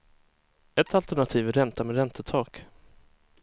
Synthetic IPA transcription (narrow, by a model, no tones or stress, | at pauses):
ɛt̪alt̪æɳat̪ʰiːvæɾɛnt̪amɛːɾɛnt̪ət̪ʰɑːk